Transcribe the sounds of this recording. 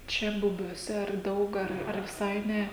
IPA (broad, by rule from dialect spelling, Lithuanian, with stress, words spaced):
ˈt͡ʃʲɛ bʊbʲuɔˈsʲɛ ɐr ˈdɐʊk ˈɐr ɐr ʋʲɪˈsɐɪ ˈnʲɛ